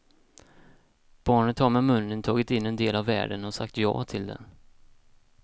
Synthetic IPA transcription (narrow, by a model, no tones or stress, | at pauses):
b̥ɑːɳət̪haɾmɛmɵnːənt̪ʰɑːɡɪt̪ɪnːɛnd̪eːlavːæ̰ːɖənɔsa̰k̚t̪jɑ̰ːt̪ʰɪld̪ɛ̰n